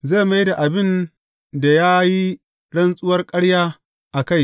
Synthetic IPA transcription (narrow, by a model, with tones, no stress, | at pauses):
ze˦˨ma˦jda˨ʔa˨bɪ˦n | da˨jaː˦ji˦ | ɽɐ˦nsʼʊ˦wɐ˦rkʼɐ˦ɽjaː˦ | ʔa˨ka˦˨j